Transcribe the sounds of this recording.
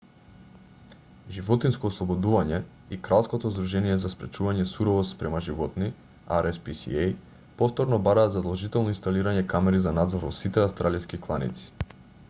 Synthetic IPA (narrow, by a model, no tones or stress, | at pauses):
ʒivɔt̪inskoɔːslˠɔbɔd̪uvaɲɛ | ikɾalˠskɔt̪ɔzd̪ɾuʒɛnijɛzaspɾɛt͡ʃuvaɲɛsuɾɔvɔspɾɛmaʒivɔt̪ni | a̰ɾɛspisḭej | pɔft̪ɔɾnɔbaɾaːt̪zad̪ɔlˠʒit̪ɛlˠnɔinst̪aliɾaɲɛkamɛɾizanad̪zɔɾɔ̰sit̪ɛast̪ɾaliskiklˠanḭt̪si̥